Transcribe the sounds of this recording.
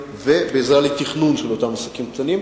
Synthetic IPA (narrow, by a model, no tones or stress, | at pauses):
ve̞beːzʁalit̪iχnunʃelo̞t̪amasakimkt̪anim